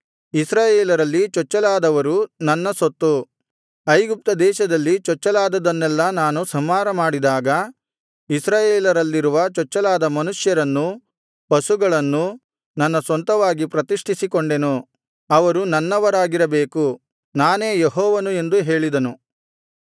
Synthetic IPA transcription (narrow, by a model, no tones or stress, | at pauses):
isɾaːjeːlɐɾɐlːit͡ʃɔt͡ʃːɐlaːd̪ɐʋɐɾunɐnːɐsot̪ːu | ɐjɡup̚t̪ɐd̪ɛːʃɐd̪ɐlːit͡ʃɔt͡ʃːɐlaːd̪ɐd̪ɐnːɛlːɐnaːnusɐmaːɾɐmaːɽid̪aːɡɐ | isɾaːjeːlɐɾɐlːiɾuʋɐt͡ʃɔt͡ʃːɐlaːd̪ɐmɐnuʂjɐɾɐnːu | pɐsuɡɐɭɐnːu | nɐnːɐsʋɐnt̪ɐʋaːɡipɾɐt̪iʂʈʰisikoɳɖe̞nu | ɐʋɐɾunɐnːɐʋɐɾaːɡiɾɐbeːku | naːneːjeɦɔːʋɐnue̞nd̪uɦe̞ːɭid̪ɐnu